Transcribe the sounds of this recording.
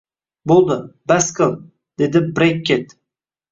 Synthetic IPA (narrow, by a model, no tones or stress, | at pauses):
bolˠd̪ɪbaskəlˠ | d̪̥ed̪ɪbɾekʲːet̪